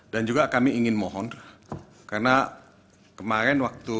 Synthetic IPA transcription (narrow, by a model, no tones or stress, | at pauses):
dand͡ʒuɡakamiʔiŋɪnmɔɦɔn | karna | kəmaɾɛnwak̚t̪u